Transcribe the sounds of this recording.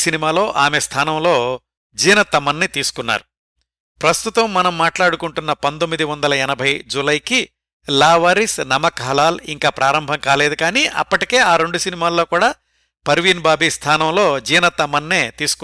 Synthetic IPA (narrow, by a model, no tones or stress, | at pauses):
sinimaːlo̞ːʔaːmest̪ʰaːnɐmlo̞ː | d͡ʒiːjnɐt̪ːɐmɐnːit̪iːsu̥kunːa̰ːɾu | pɾɐst̪ut̪ɐmːɐnɐmːaːʈlaːɽukuɳʈunːɐpɐnd̪omːid̪iʋɐnd̪ɐlɐɛnɐbʱɐjd͡ʒulɐjki | laːʋaːɾisnɐmɐkɦɐlaːliŋkaːpɾʔaːɾɐmbʱɐŋkaːle̞ːd̪ukaːniʔɐ̰pːɐʈike̞ːaːɾe̞ɳɖusinimaːlːo̞ːkuːɽaː | pɐɾʋinbaːbist̪ʰaːnɐmlo̞ːd͡ʒiːjnɐt̪ːɐmɐnːeːt̪iːsu̥ku